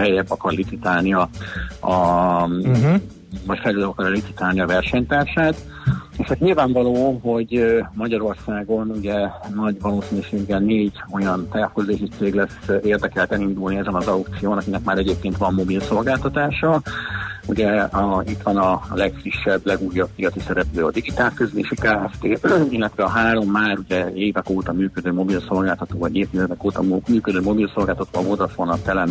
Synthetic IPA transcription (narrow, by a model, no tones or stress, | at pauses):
hɛjɛbːɒkɒrlit̪sit̪aːlniɒɒ | vɒcfɛløːd̪ɛbɒkɒɾlit̪sit̪aːlniɒvɛrʃɛɲt̪aːrʃaːt̪ | eʃɛk̪ɲilvaːɱvɒloːɦo̞ɟmɒɟɒɾo̞rsaːɡo̞nuɟɛnɒɟvɒloːsinyʃeːɡːɛlneːɟo̞jɒnt̪aːfkozd̪eːʃit̪seːɡlɛseːrd̪ɛkɛlt̪ɛlind̪ulniɛzɛnɒzɒwp̚t̪sijoːnɒkinɛkmaːɾɛɟeːp̚keːnt̪ʋɒmːo̞bilso̞lɡaːlt̪ɒt̪aːʃɒ | uɟɛɒit̪ʋɒnɒlɛkfriʃːɛblɛɡuːjɒbiɡɒt̪isɛɾɛpløːɒ̰d̪iɡit̪aːlkøzleːʃikaːɛft̪eːilːɛt̪vʋɛɒɦaːɾo̞mːaːɾuɟɛeːvɛkoːt̪ɒmyːkød̪øːmo̞bilso̞lɡaːlt̪ɒt̪oːvɒɟeːvt̪izɛd̪ɛkoːt̪ɒmyːkød̪øːmo̞bilso̞lɡaːlt̪ɒt̪o̰ːɒmod̪ɒfonɒt̪ːɛlɛn